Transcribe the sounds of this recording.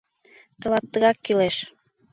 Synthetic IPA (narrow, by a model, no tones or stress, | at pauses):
t̪ə̆lɑt̪ːə̆ɣɑkːileʃ